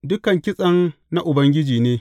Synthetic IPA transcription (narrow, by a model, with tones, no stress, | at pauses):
dʊ˦kɐ˨ŋkʲɪ˦sʼɐ˦n | na˦ʔʊ˨bɐ˦ŋɡʲɪ˦d͡ʒiː˨neː˦